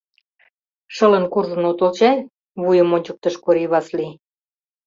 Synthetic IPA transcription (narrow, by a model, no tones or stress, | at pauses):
ʃə̆lə̆nkurʒə̆not̪olt͡ɕɑj | βujə̆monʲt͡ɕək̚t̪ə̆ʃkoɾiβɑsli